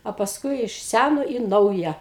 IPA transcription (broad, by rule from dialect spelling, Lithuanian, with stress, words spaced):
oː pɐsˈkʊɪ ɪʃ ˈsʲænoː ɪ ˈnɐʊjɛ